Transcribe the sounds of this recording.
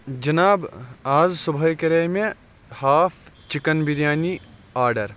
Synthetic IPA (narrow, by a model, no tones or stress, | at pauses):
d͡ʒɐnaːbaːzsubʱɐjkeɾɐjme | haːpʰt͡ʃikɐnbiɾjaːniaːɾɖɐɾ